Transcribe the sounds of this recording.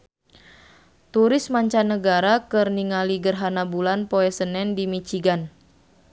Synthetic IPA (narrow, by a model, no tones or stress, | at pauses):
t̪uɾɪsmaɲt͡ʃanːəɡaɾakɨrniŋaliɡərɦanabulanpoɛsənɛndimit͡ʃiɡan